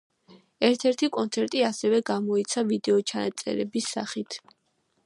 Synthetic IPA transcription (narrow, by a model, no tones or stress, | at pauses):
ɛɾt̪ʰɛɾt̪ʰikʼɔnt̪sʰɛɾt̪ʼiasɛvɛɡamɔit̪sʰavid̪ɛɔt͡ʃʰanat̪sʼɛ̰ɾɛbisːa̰χit̪ʰ